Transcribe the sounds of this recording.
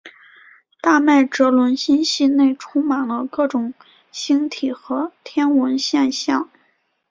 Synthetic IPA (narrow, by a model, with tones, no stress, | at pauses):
t̪a˥˧ma˥˩ɪʈ͡ʂɤ˧˥lwə˧˥nɕi˥nɕi˥˧ne˥˩ɪʈ͡ʂʰʊ˥ŋma˨˩nlə˦kɤ˥˩ʈ͡ʂʊ˨˩˦ŋ | ɕi˥ŋt̪ʰi˨˩xɤ˧˥t̪ʰjɛ˥nwə˧˥nɕjɛ˥˧nɕjɑ˥˩ŋ